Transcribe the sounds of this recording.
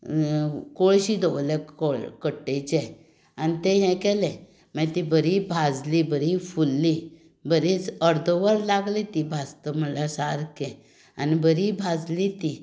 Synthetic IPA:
koɭɕid̪ɔʋlɛkokəʈːet͡ɕɛ | anit̪ɛ̃ɦɛ̃kɛlɛ̃ | mãt̪ibəɾibʱad͡zlibəɾifulːi | bʱəɾit͡səɾd̪ʱəʋəɾlaɡlit̪ibʱast̪əməlasaɾkɛ̃ | anibəɾibʱad͡zlit̪i

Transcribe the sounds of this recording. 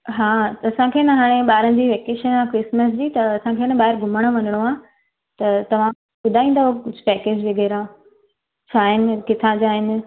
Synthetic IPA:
ɦaːɐsãkʰeːnɐɦaːɽ̃ẽɓaːɾən̆d͡ʑiːʋeːkeːʃənãkɾɪsməs̬d͡ʑiːt̪ɐɐsãkʰeːnɐɓaːɦɪɾɡʱʊməɽ̃ə̆ʋɐnəɽ̃oaː | t̪ɐt̪ɐʋ̤ã | ɓʊd̪ʱaːĩːnd̪aːɦokʊd͡ʑʱʊ̆pɛːkeːd͡ʑʋeɡəːɾã | t͡ɕʰaːɦɪnɪ̆kɪt̪ʰãd͡ʑaːɦɪnɪ̆

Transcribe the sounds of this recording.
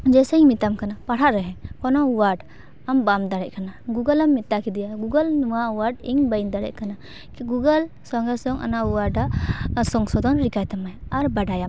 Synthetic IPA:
d͡ʒɛsɛiŋmit̪amkanapaɽaʔɾɛɦɛ̃kɔnɔuwaɖ | ambamd̪aɽɛc̚ˀkanaɡuɡəlamːit̪ːakid̪ijaɡuɡəlnuwauwaɖiŋbəjnd̪aɽɛ̰ʔ̚kana | kɡuɡəl | sɔŋɡɛsɔŋʔa̰nauwaɾɖasɔŋsɔd̪ɔnɾikajt̪amajaɾbaɖajam

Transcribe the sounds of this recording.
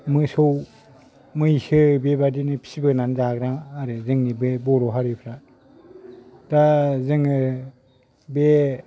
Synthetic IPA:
mɯsow | mɯjsɯbebadinɯpʰi̥sibɯnanzaɡɾaŋaɾɯzɯŋnibebɔɾɔɦaɾɯpʰɾa | dazɯŋɯ | be

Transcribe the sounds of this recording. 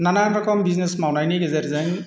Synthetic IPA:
nananɾɔkɔmbiznesmawnajniɡezeɾzɛŋ

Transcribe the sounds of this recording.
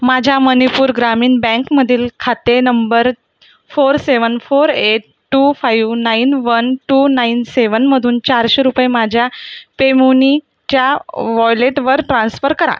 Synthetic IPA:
mad͡ʑʱjamənipuːɾɡɾamiːnbɛ̃ŋkməd̪ʱiːlkʰat̪enəmbəɾ | foɾseʋənfoɾeʈ | ʈːufajʋnainʋənʈunainseʋənməd̪ʱuːnt͡ɕaɾɕeɾupemad͡ʑʱjapemuni | t͡ɕjaʋɔjleʈʋəɾʈɾãnsfəɾkəɾa̰

